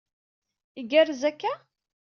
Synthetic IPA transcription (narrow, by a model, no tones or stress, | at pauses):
iɡæɾzækːæ